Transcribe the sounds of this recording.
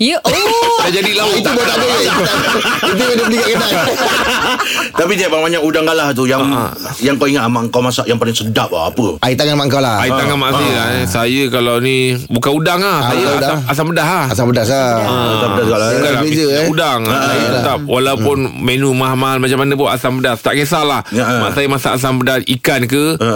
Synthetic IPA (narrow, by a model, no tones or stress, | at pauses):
sad͡ʒadilait̪ubat̪adəiuit̪̬umedəəlikatkənaʔ | t̪apidiaʔbalabaɲakudaŋɡalaht̪̬uja̰ | jaŋkawiŋat̪amaʔŋkawmasaʔjaŋpalɪŋsədap̚a̰a̰pəait̪aŋamaʔŋkawlaaiaŋamaʔəsajəkalawnibukanudaŋahajaaaas̬aŋbədaɦahasabədahaə̃asabdasəɡalaŋɡalabezəudaŋajt̪ap̚wʔalaupʊnmenumahmalmat͡ʃamanəpʊna̰saŋmbədahst̪aʔkesalahama̰ʔsajəmasa̰ʔas̬ambədahikankə